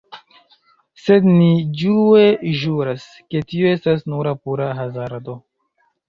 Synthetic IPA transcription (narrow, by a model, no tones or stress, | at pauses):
se̞d̪nid͡ʒue̞ʒuɾas | ke̞tioe̞stasnuɾapuɾaɦazaɾado